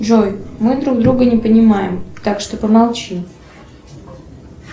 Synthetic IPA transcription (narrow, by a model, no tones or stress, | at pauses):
ʐojmɨd̪ɾuɡd̪ɾuɡənʲɪpənʲɪmajɪmt̪akʂt̪o̞pəmalˠt͡ɕim